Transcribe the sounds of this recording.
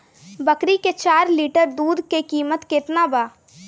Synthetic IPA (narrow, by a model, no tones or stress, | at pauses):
bəkɾiket͡ʃaːɾliːʈəɾd̪uːd̪kekiːmət̪ket̪nabaː